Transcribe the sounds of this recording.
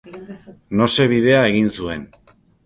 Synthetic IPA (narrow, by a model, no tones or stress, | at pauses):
no̞se̞β̞iðe̞ae̞ɣinsue̞n